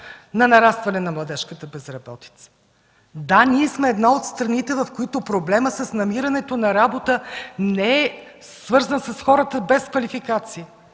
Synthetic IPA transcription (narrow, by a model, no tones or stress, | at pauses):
nɐnɐɾast̪vɐnɛnɐmlˠɐd̪ɛʃkət̪əbɛzɾɐbɔt̪i̥t̪sə̥ | d̪aniɛsmɛːd̪naot̪st̪ɾɐnit̪ɛvɐfkoit̪ʊpɾoblɛməsəsnɐmiɾɐnɛt̪onɐɾabot̪ənɛɛ | svɤɾzənsəsxɔɾət̪əbɛskvɐlifikat̪siə